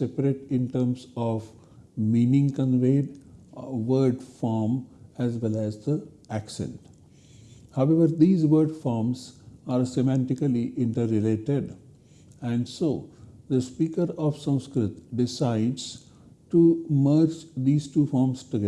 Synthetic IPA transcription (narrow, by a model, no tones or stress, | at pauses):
sepəɾeʈɪ̃nʈəɾmsɔʋ | mĩːnɪ̃ŋkə̃nʋeːɖ | ʋəɾɖfɔːɾmæzʋɛlæzd̪ə | æksḛ̃ɳʈ | haʊeʋəɾd̪iːzʋəɾɖfɔːɾmzaːɾsemæ̃ɳʈɪkəliʔɪ̃ɳʈəɾɪleːʈeɖ | ɛ̃ɳɖsoːd̪əspiːkəɾɔːʋsʌ̃nskɾɪt̪ɖɪsaɪɖz̥ | ʈuməɾd͡ʒd̪iːzʈuːfɔːɾmsʈuɡɛ